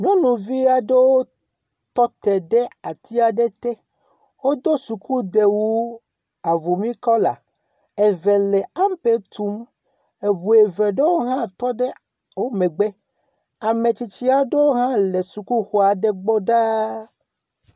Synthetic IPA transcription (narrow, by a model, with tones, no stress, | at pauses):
ɲɔ̃˦nũ˨vi˦a˨ɖe˦wo˦ | t̪ɔ˦t̪ɛ˨ɖe˦a˨t̪i˦a˨ɖe˦t̪e˦ | wo˦d̪o˦su˨ku˦d̪e˨wu˦ | a˨vo˨mĩ˦kɔ˦la̰˨ | e˨ve˨le˨a˦m˦pe˦t̪u˦m | e˨βu˨e˨ve˨ɖe˦wo˦ɦã˦t̪ɔ˦ɖe˦ | wo˦me˨ɡ͡be˦ | a˨me˨t͡ɕi˨t͡ɕi˦a˨ɖe˦wo˦ɦã˦le˨su˨ku˦xo˨a˨ɖe˦ɡ͡bɔ˦ɖa˦